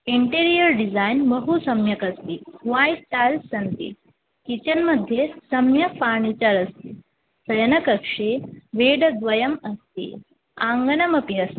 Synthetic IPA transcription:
iɳʈeɾijəɾɖid͡zajnbɐɦusɐmjɐkɐst̪ihʋajsʈ̪ajlsɐnt̪ḭ | kit͡ɕɐnmɐd̪ʱjesɐmjɐpaːɳ̃it͡ɕɐɾɐst̪i | sɐjɐnɐkɐkʂeʋeːɽəd̪ʋɐjɐmɐst̪ḭ | ãŋɡɐnɐmɐpiɐst̪i

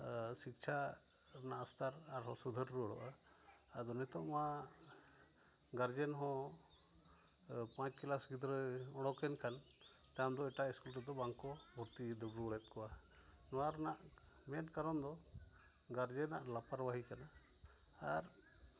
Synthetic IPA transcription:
sik̚t͡ʃʰa | ɾnaʔast̪aɾaɾɦɔ̃sud̪ʱəɾːuɔɽɔ̰ʔaː | d̪ɔnɛt̪ɔʔma | ɡaɾd͡ʒɛnɦɔ̃ | pãt͡ʃkilasɡid̪ɔɾɛɔɽ̃ɔkɛnkan | t̪amd̪ɔɛʈaʔiskulʈɔd̪ɔbaŋkɔ | bʱɔɾt̪id̪ɔbɾuɔɽɛt̪̚kɔa | nɔaɾnaʔ | mɛnʈkaɾɔnd̪ɔ | ɡaɾd͡ʒɛnaʔlapaɾbaɦikanaː | ɾ

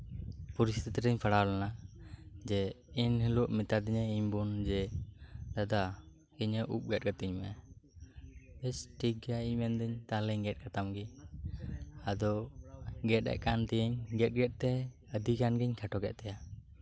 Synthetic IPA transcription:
puɾist̪it̪ɾəɲpʰaɽawlɛna | d͡ʒɛ | inhɛluʔmit̪ad̪iɲɛiɲbund͡ʒɛ | d̪ad̪a | kiɲəʔup̚ɡɛt̚ɡat̪iɲmɛɛ | bɛsʈiɡaiɲmɛnd̪əɲt̪aləɲɡɛt̚kat̪amɡi | ad̪ɔ | ɡɛt̚ɛ̰ʔkant̪ɛəɲɡɛt̪̚ˀɡɛt̪̚t̪ɛ | əd̪ikanɡiɲkʰaʈɔɡɛʔt̪ɛja

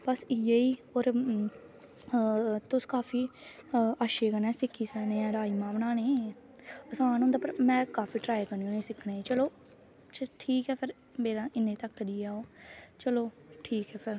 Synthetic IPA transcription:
pəsieiːoːɾ | t̪ʊskaːpʰiː | aʃeːkənɛ̃ːsɪkʰːiːsəːnẽːɛ̃ːɾaːiːmãːbəɳ̃aːɽ̃eː | əsãːnõːnd̪aːpəɾmɛ̃ːkaːpʰiːʈɾaːjekəniõːẽːsɪkʰɽeːt͡ʃəloː | t͡ʃʈʰiːkɛːpʰɪɾ | meːɾãːɪnːẽːt̪əkːɾiːaːoːt͡ʃəloːʈʰiːkɛːpʰɪɾ

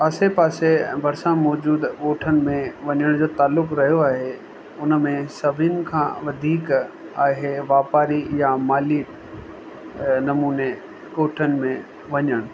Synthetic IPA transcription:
ɐsepaːsebʱɐɾsãmɔːd͡ʑuːd̪oːʈʰənɪ̆mẽʋɐɲəɽ̃d͡ʑoːt̪aːlːʊkɾɐɦijoaːɦe | ʊnmẽsɐbʱinɪ̆kʰãːʋɐd̪ʱiːkaːɦeʋaːpaːɾijamaːliː | nɐmuːne | koːʈʰənɪ̆mẽ | ʋɐɲəɽ̃

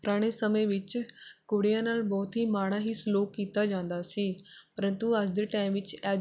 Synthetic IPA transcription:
pəɾaːɽ̃eːsəmẽːʋɪt͡ʃkʊɽijãːnaːlbɔːt̪ɦiːmaːɽaːɦiːsloːkiːt̪aːd͡ʒãːnd̪aːsiːpəɾə̃nt̪uəd͡ʒd̪eːʈaːɪmʋɪt͡ʃɛː

